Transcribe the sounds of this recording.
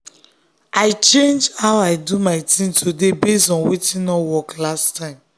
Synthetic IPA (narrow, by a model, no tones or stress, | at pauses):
ʔaɪt͡ʃẽnd͡ʒhaʊaɪdumaɪtʰĩŋtʰudebestɔ̃nwitĩnɔwɔklastãɪ̃m